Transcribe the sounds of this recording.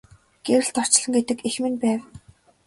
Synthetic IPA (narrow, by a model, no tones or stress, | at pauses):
ɡ̥eɾɘ̆ɮt̪ʰɔr̥t͡ɕɮɞ̆ŋɡet̪ɘ̆kexmɘ̆npæːw